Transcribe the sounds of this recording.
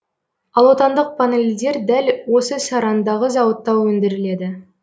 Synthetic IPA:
ɑlˠwo̞t̪ɑnd̪əq̚pʰanelʲd̪e̞ɾd̪ælwo̞səsɑɾɑnd̪ɑʁəzɑwət̪ːɑwːɵnd̪ɪɾɪle̞d̪ɪ

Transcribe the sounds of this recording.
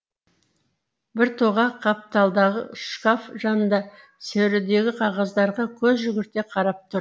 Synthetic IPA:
bɪɾt̪ʰoʁɑqʰɑp̚t̪ɑlˠd̪ɑʁə̰ʃkafʒɑnənd̪ɑ | sæwɾɪd̪e̞ɡʲɪqʰɑʁɑzd̪ɑɾʁɑkʲʰɵzʒʏɡʲɪɾt̪e̞qʰɑɾɑp̚t̪ʰʊɾ

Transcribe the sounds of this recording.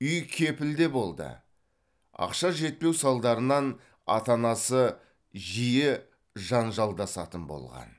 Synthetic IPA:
ʏjkʲʰe̞pɪld̪e̞bo̞lˠd̪ə̰ | ɑ̰qʃɑʒe̞t̪̚pe̞wsɑlˠd̪ɑɾənɑn | ɑ̰t̪ɑnɑsə | ʒijɪ | ʒɑnʒɑlˠd̪ɑsɑ̰t̪ənbo̞̰lˠʁɑ̰n

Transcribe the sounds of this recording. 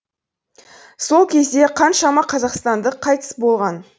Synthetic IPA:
so̞lˠkʲʰe̞zd̪e̞qʰɑnʃɑmɑqʰɑzɑqst̪ɑnd̪əqʰːɑjt̪ə̥sbo̞lˠʁɑn

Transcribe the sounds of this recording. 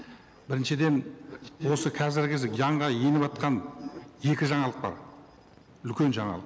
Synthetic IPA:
b̥ɪɾɪnʃɪd̪e̞nwo̞səkʰɑzɪɾɡʲɪzɪjɑɴʁɑje̞nɪbɑt̪̚qɑnje̞kʲɪʒɑɴɑlˠəq̚bɑ̰ɾ | ʏlkʲe̞nʒɑɴɑ̰lˠəq

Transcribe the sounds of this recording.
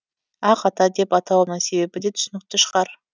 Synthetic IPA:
ɑqɑt̪ɑd̪e̞pɑt̪ɑlˠɑməse̞be̞pɪd̪e̞t̪ʰʏ̥sɪnɪk̚ʲt̪ɪʃə̥ʁɑɾ

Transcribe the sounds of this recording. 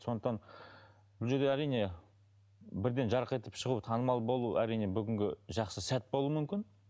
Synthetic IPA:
so̞nd̪əqt̪ɑn | bʊlˠʒe̞ɾd̪eæɾijne̞ | bɪɾd̪e̞nʒɑɾəqe̞t̪ə̥pʃəʁut̪ʰɑnəmɑlˠbo̞lˠuæɾijne̞bʏɡʲɪŋɡʲɪʒɑqsəsæt̪̚bo̞lˠumʏmkʲɪn

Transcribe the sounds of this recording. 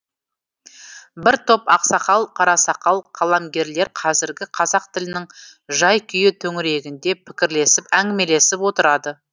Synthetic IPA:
bɪɾt̪ʰo̞pɑqsɑqɑlˠqʰɑɾɑsɑqɑlˠqʰɑlˠɑmɡʲe̞ɾle̞ɾqʰɑzɪɾɡʲɪqʰɑzɑq̚t̪ɪlɪnɪŋʒɑjkʲʰʏjɪt̪ʰɵŋɪɾe̞ɡʲɪnd̪e̞pʰɪ̥kʲɪɾle̞sɪpæŋɡʲɪme̞le̞sɪpwo̞t̪əɾɑd̪ə

